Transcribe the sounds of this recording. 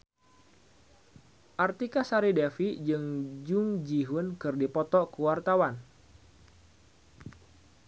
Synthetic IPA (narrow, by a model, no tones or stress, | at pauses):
ʔart̪ikasaɾidefid͡ʒɨŋd͡ʒuʊŋd͡ʒiɦʊnkɨrdipɔt̪ɔkuwart̪awan